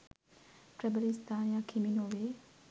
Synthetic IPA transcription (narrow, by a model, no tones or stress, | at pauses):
tɹɛbəlist̪ãjãkʰiminoe